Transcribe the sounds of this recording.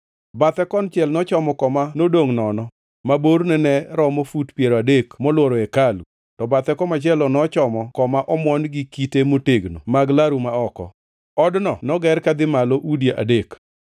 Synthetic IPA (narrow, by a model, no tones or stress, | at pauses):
bat̪ɛkɔnt͡ʃɛlnɔt͡ʃɔmɔkɔmanodoŋnɔnɔ | maboɾnɛnɛɾɔmofutpjeɾoadekmɔlwoɾɔɛkalṵ | tɔbat̪ɛkɔmat͡ʃɛlɔnɔt͡ʃɔmɔkɔmaʔɔmwɔnɡɪkitemoteɡno̰maɡlaɾumaɔkɔ̰ | ɔdnɔnɔɡɛɾkad̪ɪmalɔʔudjeʔa̰dek